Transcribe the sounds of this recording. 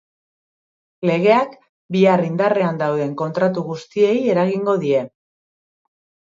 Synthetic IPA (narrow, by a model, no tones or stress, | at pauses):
le̞ɣ̞e̞ak | biarind̪are̞and̪awðe̞ŋko̞nt̪ɾat̪uɣust̪ie̞je̞ɾaɣ̞iŋɡo̞ðie̞